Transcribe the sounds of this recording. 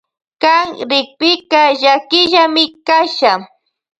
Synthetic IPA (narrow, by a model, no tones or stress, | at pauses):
kaŋɾɪk̚pɪkaʒakɪʒamɪkaʃa